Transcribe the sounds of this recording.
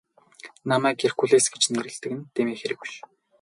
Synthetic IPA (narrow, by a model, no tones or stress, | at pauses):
namæːkerkuɮeːsɡet͡ɕneɾɘ̆ɮt̪ɘ̆kɘ̆nt̪eːmeːxeɾɘ̆ku̥ʃ